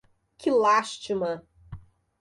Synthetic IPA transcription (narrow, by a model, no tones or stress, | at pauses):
kɪlaʃt͡ʃimɐ